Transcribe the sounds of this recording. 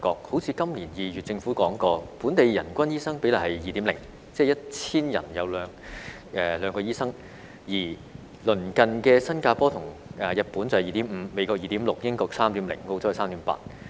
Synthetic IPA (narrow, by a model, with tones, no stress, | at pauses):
kɔː˧k̚ho˨˧˥wt͡sʰi˨˧˥kɐ˥mli˨˩njiː˨jy˨t̚t͡sɪ˧ŋfuː˨˥kɔː˨˥ŋkɔː˧puː˨˥nt̪e˨jjɐ˨˩nkʷɐ˥njiː˥sɐ˥ŋpe˨˥jla˨˩hɐ˨jjiː˨t̪iː˨˥mlɪ˨˩ŋ | t͡sɛː˥jɐ˥t̚t͡sʰiː˥njɐ̰˨˩njɐ˨˧wlœː˨˧ŋ | ʔɛː˧lœː˨˧ŋkɔː˧jiː˥sɐ˥ŋ | jiː˨˩ | lɵ˨˩nkɐ˨nkɛː˧sɐ˥nkaː˧pɔː˥t̪ʰʊ˨˩ŋʔɛː˨jɐ˨t̚puː˨˥nt͡sɐ˨˩hɐ˨˩jiː˨˩t̪iː˨˥mm̩˨˧me˨˧jkɔː˧k̚jiː˨t̪iː˨˥mlʊ˨k̚jɪ˥ŋkɔː˧ksaː˥mt̪iː˨˥mlɪ̰˨˩ŋko˧wt͡sʊ˥ɐ˨˩saː˥mt̪i˨˥mpa̰ː˧t̚